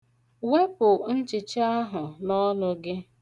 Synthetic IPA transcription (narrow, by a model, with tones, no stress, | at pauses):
we˦pʊ˨n̩˦t͡ʃɪ˨t͡ʃa˦ɦʊ˨lɔ˦lʊ˦ɡɪ˦